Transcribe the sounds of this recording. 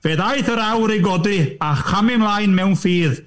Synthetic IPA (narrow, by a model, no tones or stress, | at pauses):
veːðajθəɾawɾejɡɔdɨaχamɪmlˠajnmɛwnfiːð